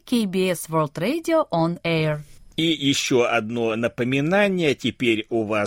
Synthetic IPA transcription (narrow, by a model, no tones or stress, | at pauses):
kʲejbʲiɛsʋolˠt̪ɾedʲɪoʔɔnɛrijɪɕːoɐd̪no̞nəpəmʲɪnanʲɪjətʲɪpʲeɾʲʊva